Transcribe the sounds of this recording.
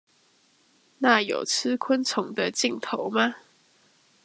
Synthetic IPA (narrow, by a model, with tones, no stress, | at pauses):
na˥˩jo̰˨˩ʊt͡sʰɹ̩˦kʰwə˦˥nt͡sʰʊ˨˧˦ŋd̪ə˧t͡ɕi˥˩ŋt̪ʰo˧˦ʊma˧